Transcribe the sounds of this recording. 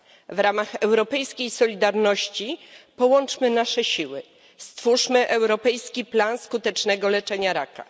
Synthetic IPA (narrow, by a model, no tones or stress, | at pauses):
vɾamaxɛwɾɔpɛjskʲejsɔlʲid̪aɾnɔɕt͡ɕipɔwɔnt͡ʂmɘnaʂɛɕiwɘ | st̪fuʂmɘʔɛwɾɔpɛjskʲiplanskut̪ɛt͡ʂnɛɡɔlɛt͡ʂɛɲaɾaka̰